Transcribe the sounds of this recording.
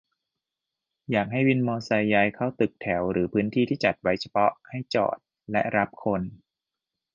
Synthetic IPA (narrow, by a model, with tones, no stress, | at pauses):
jaː˨˩k̚ha˥˩jwi˧nmɔː˧sa˧jːa˧jkʰa˦˥˩wt̪ɯ˨˩k̚t̪ʰɛ˩˦wɾɯː˩˦pʰɯː˦˥nt̪ʰiː˥˩t̪ʰiː˥˩t͡ɕa˨˩t̪̚wa˦˥jt͡ɕʰa˧pʰɔ˦˥kʰa˥˩jt͡ɕɔ̰ː˨˩t̪̚ | lɛ̰˦˥ɾa˦˥p̚kʰo˧n